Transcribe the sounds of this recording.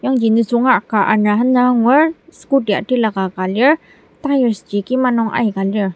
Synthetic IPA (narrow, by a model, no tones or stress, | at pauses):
jaŋd͡ʒinisuŋaʔkaʔanaɦənaŋwəsə̥kudia̰ʈilakakaliəɾ | t̪ajəɾsəd͡ʒikimanɔŋʔa̰jkalə